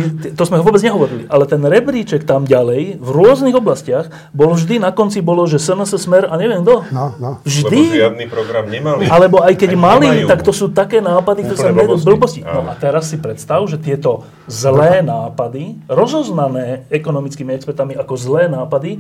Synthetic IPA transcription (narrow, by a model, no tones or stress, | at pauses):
t̪t̪ɔzmɛɦɔʋɔbɛd͡zɲɛɦɔʋɔɾiliʔalɛt̪ɛnɾɛbɾiːt͡ʃɛkt̪amɟalɛjvɾʊɔzniɣɔblascɪaɣ | bɔlvʒd̪inakɔnt͡sibɔlɔʒɛsɛnəsəsmɛɾaɲɛʋɛmɡd̪ɔvʒd̪iɪad̪nipɾɔɡɾamɲɛmalialɛbɔajkɛɟmalit̪akt̪ɔsuːt̪akɛːnaːpad̪ikt̪ɔɾɛsamɛbl̩bɔscinɔʔat̪ɛɾasːipɾɛt̪st̪aʒɛt̪ɪɛt̪ɔ | zlɛːnaːpad̪iɾɔzɔznanɛːɛkɔnɔmit͡skiːmiɛkspɛɾt̪amiakɔzlɛːnaːpad̪i